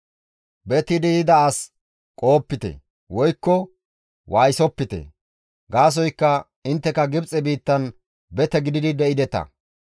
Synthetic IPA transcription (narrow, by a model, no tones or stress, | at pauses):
bɛt̪ɪd̪id̪ɐːs | kʼo̞ːpːɪt̪ɛ̰ | wɔjkːɔ | wʔaːjsɔpːɪt̪ɛ̰ | ɡaːs̬ɔjkːɐ | ɪnt̪ːɛkɐɡɪbt͡sʼɛbiːt̪ːɐn | bɛt̪ɛɡɪd̪ɪd̪ɪd̪ɛʔɪd̪ɛt̪ɐ̰